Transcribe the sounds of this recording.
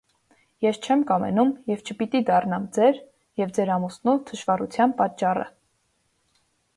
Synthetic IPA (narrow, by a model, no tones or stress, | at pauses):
jɛst͡ʃʰɛmkɑmɛ̰numjɛvt͡ʃʰəpit̪id̪ɑrnɑmd͡zɛɾ | jɛvd͡zɛɾɑmusnult̪ʰəʃvɑrut͡sʰjɑnpɑt͡ʃːɑrə̰